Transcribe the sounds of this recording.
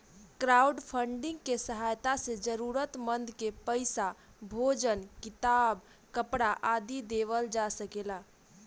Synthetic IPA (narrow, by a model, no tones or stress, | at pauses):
kɾauɖpʰəɳɖɪ̃ŋɡkesəɦajt̪ased͡ʒəɾuɾət̪mənd̪ʱkepəɪsa | bʱod͡ʒənkɪt̪aːb | kəpɽaʔad̪id̪eʋəld͡ʒasəkela